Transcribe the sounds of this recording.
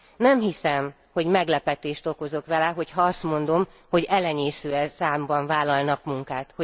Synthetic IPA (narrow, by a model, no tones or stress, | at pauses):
nɛmɦisɛm | ho̞ɟmɛɡlɛpɛt̪eːʃt̪o̞ko̞zo̞kʋɛlɛɦo̞chɒɒst̪mo̞nd̪o̞m | ho̞ɟɛlɛɲeːsøːɛsaːmbɒɱvaːlɒlnɒkmuŋkaːt̪ho